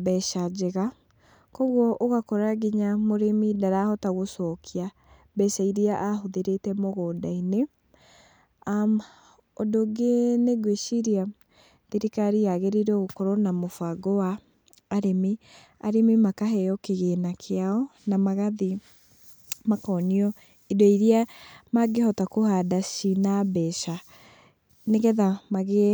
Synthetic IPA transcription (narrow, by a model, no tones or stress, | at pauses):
bɛʃad͡ʒeɣa | kɔɣwɔʔoɣakɔɾaɡiɲamoɾemidaɾahɔtaɣosɔkʰia | bɛsaiɾiaʔaɦoðeɾetɛmoɣɔdaine | a | ɔdoɡeneɡweʃiɾia | ðiɾikaɾiaɣeɾiɾɔɣokɔɾɔnamofaɡoaː | ɾemi | a̰ɾemimakaɦɛjɔkeɣenakʰeaɔnamaɣaði | makɔniɔ | idoiɾiamaɡehɔtakohadaʃinabɛʃa | neɣɛðamaɣe